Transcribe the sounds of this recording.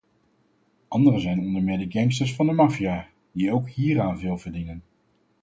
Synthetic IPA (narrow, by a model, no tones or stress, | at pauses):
ʔɑndərəzɛjnɔndəɹmɪːdəɡɛŋs̬təɹsfɑndəmɑfijaː | d̥ijəowkɦiːɾaːnvɪlˠvəɹdinən